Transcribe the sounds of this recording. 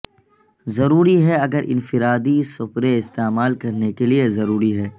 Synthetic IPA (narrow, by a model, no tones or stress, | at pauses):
zɐɾuːɾiɦɛɐɡəɾʔɪ̰nfɪɾaːd̪isʊpɾeɪst̪eːmaːlkɐɾnekeliezɐɾuːɾiɦɛː